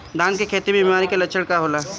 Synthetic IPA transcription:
d̪ãːnkekʰeːt̪ibibimaːɾikelət͡ʃʰəɽkaɦoːlaː

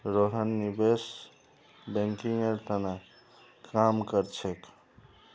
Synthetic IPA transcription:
ɾoɦənːibes | bɛ̃ŋkiŋeɾt̪ʰəna | kʰamkəɾt͡ʃʰek

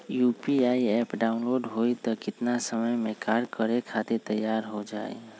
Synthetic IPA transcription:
juːpiaiɛpɖaʊnloɖɦoit̪ɔkɪt̪nasəməjmẽkaɾkəɾekʰat̪et̪əjːaɾɦod͡ʒa̰ːḛ

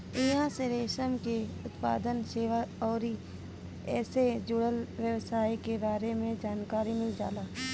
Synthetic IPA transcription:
ɪãseɾeːʃəmkeʊt̪pa̰ːd̪ənʃeːʋəɔːɾi | ɛːsed͡ʒʊɽəlʋjəʋsaːikebaːɾemẽd͡ʒaːnkaːɾimɪld͡ʒa̰ːlaː

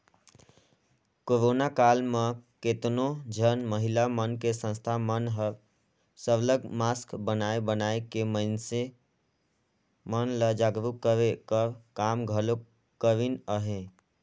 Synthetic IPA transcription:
koɾoːnakaːlmãket̪nõd͡ʒʱənməɦɪlamənkesə̃nst̪ʰamənɦəɾ | səbləɡmaːskbənaːebənaːekeməɪnse | mənləd͡ʒaːɡɾukːəɾekəɾkaːmɡʱəlo | kəɾinəɦẽ

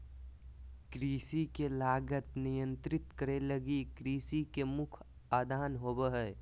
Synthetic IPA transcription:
kɾiːsikelaːɡət̪nijə̃nt̪ɾɪt̪kəɾelɐɡikɾiːsikemʊkʰ | aːd̪ʱaːnɦoːbəɦɛː

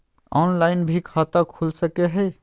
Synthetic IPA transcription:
ɔnlaɪnbʱikʰat̪əkʰulsəkeɦəj

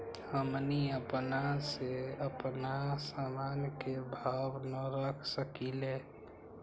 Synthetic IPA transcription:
həmniəpnaseəpnasaːmaːnkebʱabnəɾəkʰsəkile

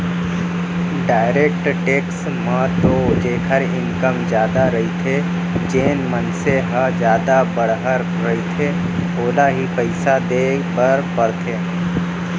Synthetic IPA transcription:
ɖaːɪɾeːk̚ʈʈeːks | mə̃t̪od͡ʒeːkʰəɾɪŋkəmd͡ʒjaːd̪aɾɐɦit̪ʰe | d͡ʒeːnmənseɦəd͡ʒjaːd̪abəɽɦəɾ | ɾɐɦit̪ʰe | oːlaɦipəɪsad̪eːbəɾpəɾt̪ʰeː

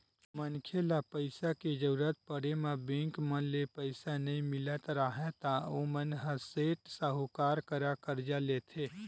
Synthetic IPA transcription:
mənkʰelapəɪsaked͡ʒəɾuɾət̪̚pəɽemãbẽːŋkmənlepəɪsanɐɦĩmɪlət̪ɾaɦɛ̃t̪aomənɦəseːʈsaɦokaːɾkəɾakəɾd͡ʒaleːt̪ʰeː

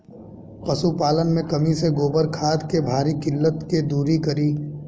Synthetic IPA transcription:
qɐsupaːlənmẽkɐmiseɡoːbəɾkʰaːd̪kebʱaːɾikɪlːət̪ked̪uːɾikɐɾiː

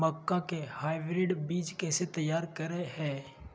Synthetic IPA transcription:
məkːãkehaːɪbɾɪɖbiːt͡ʃkɛːset̪ɐjːaːɾkɐɾeɦɛ̃ː

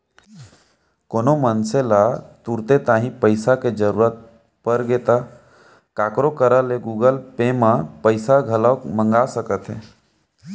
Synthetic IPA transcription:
koːnomənselat̪uɾt̪et̪aːɦĩpəɪsaked͡ʒəɾuːɾət̪̚ | pəɾɡeːt̪a | kaːkɾokəɾaleɡuːɡəlpemãpəɪsaɡʱələmə̃ŋɡasəkət̪ɦɛː

